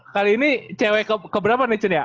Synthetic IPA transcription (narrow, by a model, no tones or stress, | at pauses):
kaliːnit͡ʃɛwɛkəkəbəɾapanet͡ʃunja